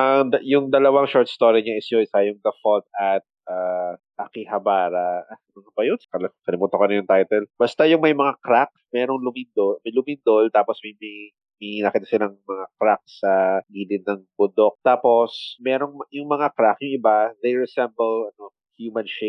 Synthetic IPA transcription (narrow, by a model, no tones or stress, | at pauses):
ʔɐŋd̪ɐjʊŋd̪ɐlɐwaŋʃɔɹt̪st̪oɾiɲaʔɪsɲoɪsajʊŋd̪ɐfolt̪̚ɐt̪̚ʔaːʔɐkihɐbaːɾɐʔamɐŋɐbɐjʊnskɐlkɐlɪmuːt̪okɐnɐjʊŋt̪ajt̪ɛlb̥ɐst̪ajʊŋmɐjmɐŋakɾak̚mɛːɾoŋlʊmind̪omɐjlʊmind̪olt̪aːposmɐjmi | minɐkiːt̪ɐsɪlaŋmɐŋakɾak̚sɐɡiːlɪnːɐŋbʊd̪ok̚t̪aːpo̞smɛːɾo̞ŋmjʊŋmɐŋakɾakjʊŋʔɪbad̪ejɹɛsɛmbɛlɐno | hjumɐnʃe